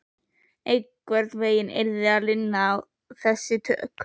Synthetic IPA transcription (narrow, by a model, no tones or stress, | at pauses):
ejkvɛɾt̪veːjɪnḛɾðɪalɪnːaːw | θɛsːɪt̪ʰœ̰k